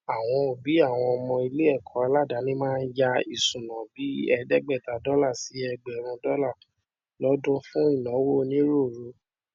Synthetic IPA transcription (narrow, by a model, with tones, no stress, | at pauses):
a˨w̃ɔ̃˧o˨bi˨˦a˦˨w̃ɔ̃˧ɔ˧mɔ̃˧i˧le˦ɛ˦˨kʰɔ̃˨˦a˧la˦˨da˨˦nĩ˦mãː˦˧n̩˦d͡ʒa˧i˨sũ˨nã˨bi˨˦ɛ˧dɛ˦ɡ͡bɛ˦˨ta˨dɔ˦la˦˨si˨˦ɛ˧ɡ͡bɛ˨ɾ̃ɔ̃˧dɔ˦la˦˨ | lɔ˨˦dũ˦fũ˦i˦˨nɔ̃˨˦wo˦˨˧nĩ˦ɾo˦˨ɾu˧˦